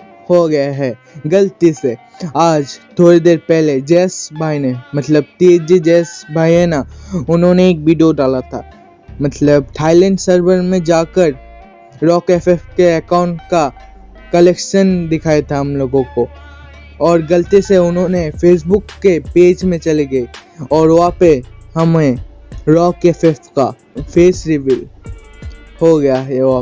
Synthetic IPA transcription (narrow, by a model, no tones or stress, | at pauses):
hoɡɐjaɦɛː | ɡɐlt̪ise | aːd͡ʒt̪ʰoːɾid̪eːɾpɛɦled͡ʒɛːsbʱaːinemɐt̪ləb̚t̪eːd͡ʒid͡ʒɛːsbʱaːiɦɛnaʊnɦõneːk̚ʋiːɖijoɖaːlat̪ʰa̰ː | mɐt̪ləb̚ʈʰaːɪlɛ̃ɳɖsəɾbəɾmẽd͡ʒaːkəɾ | ɾɔːkefɛfkeɐkãːʊ̃ɳʈka | kɐlekʃənd̪ɪkʰaːet̪ʰaɦɐmloːɡõko | ɔːɾɡɐlt̪iseʊnɦõnefeːs̬bʊkːepeːd͡ʒmẽt͡ʃɐleɡɐeɔːɾʋoɦapeɦɐmẽɾɔːkefefka | pʰeːsɾɪʋil | hoɡɐjaɦɛoɦa